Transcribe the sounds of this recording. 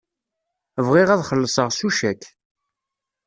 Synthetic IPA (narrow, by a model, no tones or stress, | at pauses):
əvʁɪʁæðχəlːəsˤəʁsuʃækː